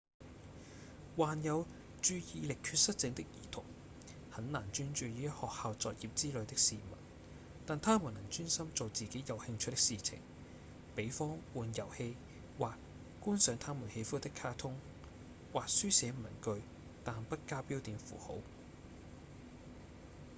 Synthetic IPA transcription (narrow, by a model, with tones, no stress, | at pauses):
waː˨njɐ˨˧w | t͡ʃyː˧jiː˨˧lɪ˨kʰːyː˧t̚sɐ˥t̚t͡sɪ˨˧ŋt̪ɪ˥k̚jiː˨˩t̪ʰʊ̰˨˩ŋ | hɐ˨˥nnaː˨˩nt͡ʃyː˥nt͡ʃyː˨˧jiː˨˥hɔː˨k̚haː˨˧wt͡sɔː˨k̚jiː˨p̚t͡siː˥lɵ˨˧ɥt̪ɪ˥k̚siː˨mɐ̰˨˩n | t̪aː˨nt̪ʰaː˥mu˨˩nɐ˨˩ŋt͡ʃyː˥nsɐ˥mt͡so˨wt͡siː˨ke˨˥jjɐ˨˩whɪ˧ŋt͡ʃʰɵ˥t̪̚ːɪ̥˥ksiː˨t͡sʰɪ̰˨˩ŋ | pe˨˥jfɔː˥ŋwuː˨˧njɐ˨˩whe˧j | waː˨k | kuː˥nsœː˨˥ŋt̪ʰaː˥muː˨˩nhe˧jfuː˥t̪ɪ˥kʰːaː˥t̪ʰʊ˥ŋ | waː˨k̚syː˥sɛː˨˥m˨ɐ˨˩nkɵ˧ɥ | t̪aː˨npɐ˥t̚kaː˥piː˥wt̪iː˨˧nfṵː˨˩ho̰˨˥w